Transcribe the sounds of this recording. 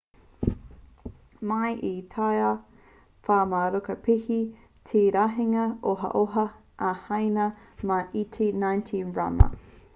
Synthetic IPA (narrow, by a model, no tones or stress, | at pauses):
mɐjʔitʰaja | faːmaɾokɐpʰihi | tʰeːɾaɦiŋɐoɦɐ̰ʔoɦɐ | ʔɐhɐjnɐ | maʔitʰinãjntʰĩnɹa̰mɐ̰